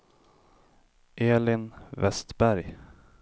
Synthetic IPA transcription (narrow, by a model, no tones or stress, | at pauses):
ʔeːlɪnvɛst̪bæɾj